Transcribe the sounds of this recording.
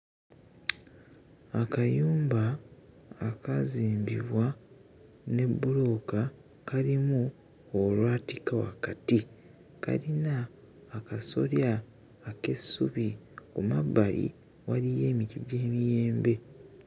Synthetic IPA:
akajuːmbaː | kaziːmbḭβwa | ne̞bːulo̞ːka | kalimu | olwaːtikawa̰kati | ka̰ɾinaː | kaso̞̰ljaː | ke̞sːuβikumabːalḭ | walije̞ːmiɾiɟe̞ːmijeːmbe̞

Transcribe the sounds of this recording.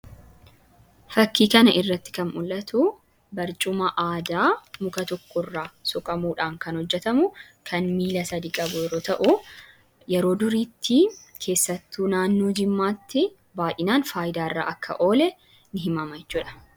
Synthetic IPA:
fɐkːiːkɐnɐʔɪrːɐt̪ːɪ̥kɐnʔʊlːɐt̪u | bɐɾt͡ʃʼʊmɐʔaːd̪aːmʊkɐt̪ɔkʰːɔrːaːsɔkʼɐmuːᶑaːŋkɐnhɔd͡ʒːɛt̪ɐmʊ | kʰɐnmiːlɐsɐd̪iːkʼɐbʊjɛɾo̞ːt̪ɐʔʊ | jɛɾo̞ːd̪ʊɾiːt̪ʰːikʰe̞ːsːɐt̪ːuːnaːnːo̞ːd͡ʒɪmːaːt̪ːɪ | baːjɪnaːnfaːjɪd̪aːɪrːa̰ːʔɐkʰːɐ̰ʔo̞ːlɛ | nɪɦɪmɐmɐjɛt͡ʃːuːᶑɐ̥

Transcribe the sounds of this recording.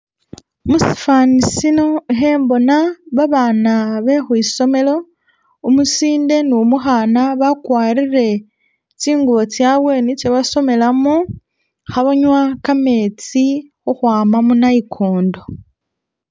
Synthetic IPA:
musi̥fanisino̞ixe̞ːmbo̞naβaβaːnaβe̞xwiːso̞me̞lo̞ | umusiːnde̞numuxaːnaβakwaːɾiɾe̞ | t͡siːŋɡuβo̞t͡sjaβwe̞nit͡ʃeβaso̞me̞lamo | xaβoɲwakame̞ːt͡si | xuxwaːmamunaikʰoːndo̞

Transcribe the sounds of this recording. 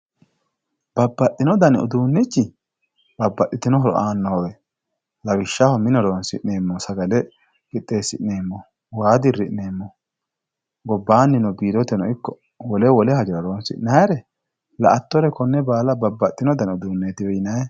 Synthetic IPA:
b̥ɐbːɐt̪ʼːɪnɔd̪ɐnʊ̰d̪uːnːɛt͡ʃːɪ | b̥ɐbːɐt̪ʼːɪt̪ɪnɔɦɔɾɔ̰ʔaːnːɔɔwɛ | lɐwɪʃːahɔmɪnɔɾoːnsɪ̰ʔneːmːɔsɐɡɐlɛ | ɡɪt̪ʼːe̞ːsɪ̰ʔneːmːɔ | waːd̪ɪrːɪʔneːmːɔ | ɡɔbːaːnːɪnɔbiːd̪ɔt̪ɛnɔɪkːɔ | wɔlɛwɔlɛhɐd͡ʒɛɾɐɾoːnsɪ̰ʔnaɛɾɛ | lɐ̰ʔɐt̪ːɔɾɛkɔnːɛbaːlɐbɐbːɐt̪ʼːɪnɔd̪ɐnʊd̪uːnːeːt̪ɪwɛjɪnajɛ

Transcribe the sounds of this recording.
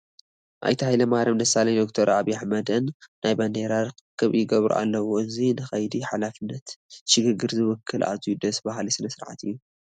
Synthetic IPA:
ʔa̰jt̪ʰɐhajlɐmahɾɐmd̪ɐsalɐjd̪ok̚t̪ʰɐɾaβiaħmɐd̪ɨnːajbɐnd̪eɾaɾkʰɨkʰːɨβjɪɡɐβɾṵʔa̰lːɐwuɨzinɨxɐjd̪iħalafɨnːɐt̪ʃɨɡɨɡɨɾzɨwɔkʰːɨlʔa̰zijud̪ɐsbaɦlisɨnɐsɨɾʕa̰t̪ʰɨjːu

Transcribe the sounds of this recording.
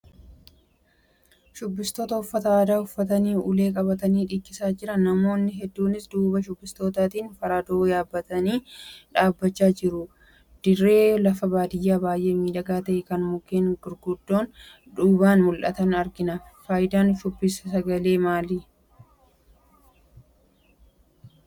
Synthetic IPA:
ʃʊbːɪst̪oːt̪ɐʊfːɐt̪ɐaːd̪aːhʊfːɐt̪ɐniːʊ̰le̞ːkʼɐbɐt̪ɐniːᶑɪkʼːɪsaːd͡ʒɪɾɐnɐmo̞ːnːɪɦɛd̪ːuːnɪsd̪uːbɐʃʊbːɪst̪o̞ːt̪aːt̪iːnfɐɾaːd̪oːjaːbːɐt̪ɐniːᶑaːbːɐt͡ʃːaːd͡ʒɪɾʊ | d̪̥ɪrːe̞ːlɐfɐbaːd̪ɪjːaːbaːjʔe̞ːmiːᶑɐɡaːt̪ɐʔɛkɐnmʊkːeːnɡʊɾɡʊd̪ːo̞ːn | ᶑuːbaːnmʊlʔɐ̰t̪ɐnɐɾɡɪnɐfaːjɪd̪aːnʃʊbːɪsɐsɐɡɐle̞ːmaːli

